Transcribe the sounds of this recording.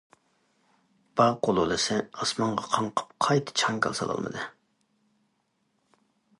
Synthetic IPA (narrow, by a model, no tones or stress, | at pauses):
b̥ɑʁqolˠolˠɨsɪɑsmɑɴʁɑqʰɑɴqʰə̥p̚qʰɑjt̪ʰɨ̥t͡ʃʰɑŋkʰʲɑ̰lˠsɑ̰lˠɑ̰lˠmɨ̰d̪ɨ